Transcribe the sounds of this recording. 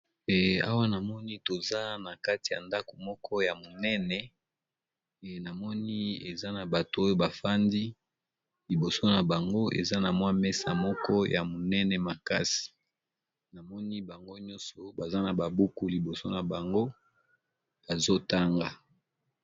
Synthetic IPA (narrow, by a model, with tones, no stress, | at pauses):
ɛ˨a̰˦wa˦na˨mɔ˦ni˦to˨za˦na˨ka˦ti˨ja̰˨nda˦ko̥˨mɔ˦kʰɔ˦ja˨mo˨nɛ˦nɛ˨ | na˨mɔ˦ni˦e˨za˦na˨ba˨to˨o˦jo˦ba˨fa˦ndi˦ | li˨bo˨so˦na˨ba˨ŋɡo˦ʔḛ˨za˦na˨mwa˦me˦sa̰˨mɔ˦kɔ˦ja˨mo˨nɛ˦nɛ˨ma˨ka˦si̥˨ | na˨mɔ˦ni˦ba˨ŋɡo˦ɲɔ̃˦nsɔ˨ba˨za˦na˨ba˨bu˦ku˦li˨bo˨so˦na˨ba˨ŋɡo˦ | ba˨zo˦ta˦ŋɡa˨